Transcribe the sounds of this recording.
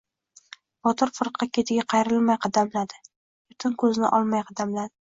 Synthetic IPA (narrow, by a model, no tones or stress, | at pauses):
bɒt̪ʰɪɾfɨɾqʰːɑkʲʰe̞t̪ʰɪɡʲaqʰɑjɾɪlmajqʰɑd̪amlad̪ɪ | bʊt̪ʰɪnkʰɵznɪ̰ʔɒlˠmajqʰɑd̪amlad̪ɪ